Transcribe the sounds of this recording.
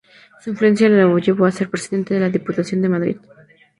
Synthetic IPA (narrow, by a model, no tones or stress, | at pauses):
suĩnɱflue̞nsjalelaβoʝe̞βoase̞ɾpɾe̞siðe̞nt̪eðelaðiput̪asjo̞nd̪e̞maðɾḭð